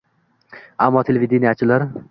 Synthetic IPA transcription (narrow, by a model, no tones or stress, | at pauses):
a̰mːɒt̪ʰelevid̪enijat͡ʃʰɪlaɾ